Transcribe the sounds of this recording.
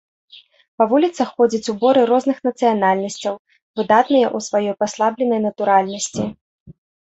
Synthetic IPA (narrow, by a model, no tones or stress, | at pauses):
pɐvulʲit̪sɐxxɔd͡zʲɐt͡sʲubɔɾɨɾɔznɨxnɐt̪sɨjanalʲnɐsʲt͡sʲɐw | vɨd̪at̪nɨjɐʔusvajɔjpaslˠablʲɛnɐjnɐt̪uɾalʲnɐsʲt͡sʲi